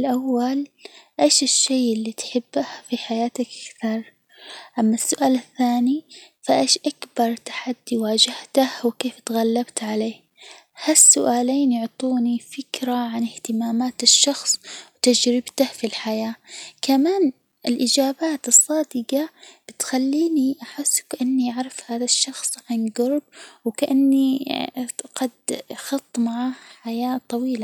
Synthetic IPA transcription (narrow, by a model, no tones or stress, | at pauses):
lʔawːalʔeːʃɪʃːeːʔɪlːiːt̪ħɪbːahfiħajaːt̪akʔḁkθɑɾˤ | ʔamːasːʊʔaːlɪθːaːnifaʔeːʃʔakbɑɾˤt̪ḁħad̪ːiwaːd͡ʒɪht̪ahwɪkeːft̪ɣalːabt̪ʕaleːh | hasːʊʔaːleːnjʊʕt̪ˤuːnifɪkɾaʕanɪht̪ɪmaːmaːt̪ɪʃːɑxsˤwt̪ad͡ʒɾɪbt̪ahfilħajaːkamaːn | ʔɪlʔɪd͡ʒaːbaːt̪ɨsˤːɑːd̪ɪɡab̥ɪt̪xalːiːniʔaħɪsːkaʔanːiʔaʕɾˤɪfhaːðaʃːɑxsˤʕanɡɑɾˤb̚wɪkaʔanːi | qɑd̪xɑt̪ˤːmaʕaːhħajaːt̪ˤɑwiːla